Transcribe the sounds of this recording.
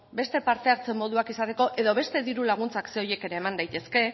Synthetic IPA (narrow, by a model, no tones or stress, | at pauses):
be̞st̪e̞paɾt̪e̞aɾt͡se̞mːo̞ð̞uakisat̪e̞ko̞ʔe̞ð̞o̞β̞e̞st̪e̞ðiɾulaɣ̞unt͡sakseoje̞ke̞ɾe̞ːmand̪ajt̪e̞ske̞